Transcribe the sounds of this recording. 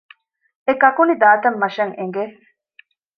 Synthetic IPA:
ekɐkunid̪aːt̪ɐmːɐʃɐŋeŋɡe

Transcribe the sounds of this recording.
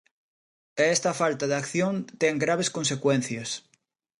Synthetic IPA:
est̪ɐfalt̪aðakθjõnt̪eŋɡɾaβ̞eskõnsekwen̟θjɐs

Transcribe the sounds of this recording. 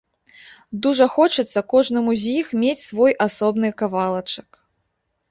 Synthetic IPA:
d̪uʐɐxɔt͡ʂɨt̪sːɐkɔʐnɨmuzʲjixmʲet͡sʲsvɔjʔasɔbn̪ɨkavalˠɐt͡ʂɐk

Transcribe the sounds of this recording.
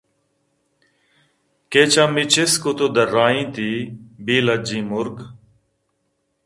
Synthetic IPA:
keːt͡ʃãːmit͡ʃɪskot̪oːd̪əɾaːĩːt̪iːbiːləd͡ʒĩːmʊɾɡ

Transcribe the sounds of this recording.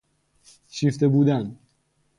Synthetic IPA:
ʃift̪ebuːd̪æn

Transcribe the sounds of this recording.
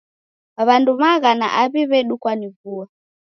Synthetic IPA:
aβandumaɣana̰ʔaβiβɛɗukwanivua

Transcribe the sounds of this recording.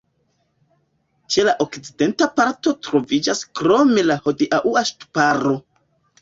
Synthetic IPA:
t͡ʃe̞laʔo̞kt͡side̞ntapaɾto̞tɾo̞vid͡ʒaskɾo̞melahodiʔaʔuaʃtu̥paɾo̞

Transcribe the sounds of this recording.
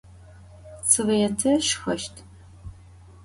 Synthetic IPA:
t͡sʰɨʁɐjɛtʰɐʃxɐʃtʰ

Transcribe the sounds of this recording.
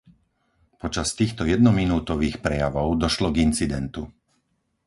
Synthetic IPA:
pɔt͡ʃast̪iːxt̪ɔjɛd̪nɔminuːt̪ɔʋiːxpɾɛjaʋɔʊd̪ɔʃlɔɡint͡sid̪ɛnt̪u

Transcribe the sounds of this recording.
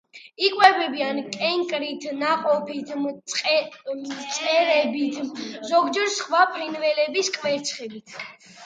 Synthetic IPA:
ikʼwɛbɛbiankʼɛŋkʼɾit̪ʰnaqʼɔpʰit̪ʰ | t̪sʼɛɾɛbit̪ʰzɔɡd͡ʒɛɾsχwapʰɾinvɛlɛbiskʼvɛɾt̪sʰχɛbit̪ʰ

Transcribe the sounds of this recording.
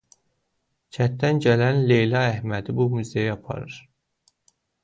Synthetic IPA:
t͡ʃʰæt̪ːænɟælænlejlɑæhmæd̪ibumyzejɑpʰɑ̰ɾɯɾ̥

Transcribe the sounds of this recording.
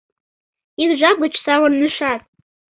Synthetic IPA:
inʒʷaɡʷʊt͡ʃʰʼsawannɨʂatʼ

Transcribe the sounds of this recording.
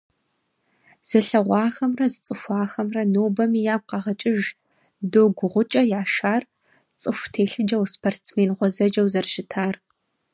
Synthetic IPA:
z̥ɐɬɐʁʷɑːxɐmrɐzɨt͡sʼɨxʷɑːxɐmrɐnoːbɐmiːjaːb̚qɐʁɐt͡ʃʼɪʒ | doːɡʷʊʁʷʊt͡ʃʼɐjaːʃaːr | t͡sʼɨxʷtʰeːɬɨd͡ʒɐwspʰort͡smeːnʁʷɔzɐd͡ʒɐwzɐrʃɪtʰaːr

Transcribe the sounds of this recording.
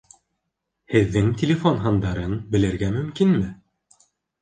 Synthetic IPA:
hɘ̆ðːɘŋtʲelʲefonɦɑnd̪ɑɾɤnbɘ̆lɘ̆ɾɡæmɵ̆mkinmɘ

